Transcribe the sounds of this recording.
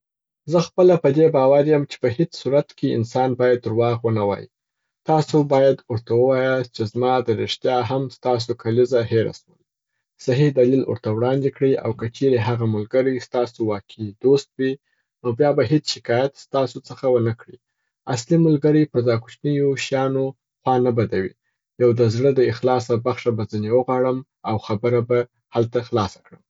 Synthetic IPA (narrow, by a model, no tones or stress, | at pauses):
zəxpəlapəd̪ebɑwaɾjəmt͡ʃe̥pəhet͡ssuɾat̪keɪ̰nsɑnbɑjad̪ɾwɑɣwənawɑ̰jḭ | t̪ɑsobɑjad̪əɾt̪awəwɑjəst͡ʃezmɑd̪əɾɪʂt̪jɑɦamst̪ɑs̬okʰalizaheɾa̰swəl | saɦihd̪alilwə̰ɾt̪awɽɑnd̪ekɽia̰wkat͡ʃeɾeɦaɣamʊlɡəɾist̪ɑsowɑkʰid̪ost̪̚wi | nobjɑbaɦet͡sʃɪkɑjat̪st̪ɑsot͡səxawənakɽi | aslimʊlɡəɾəpəɾzɑku̥t͡ʃnəjoʃjɑno | xwɑnabad̪awḭ | jawd̪əzɽəd̪əɪxlɑs̬abaxʃabazənewəɣwɑɽəm | awxabəɾaba | halt̪axlɑsḁkɽəm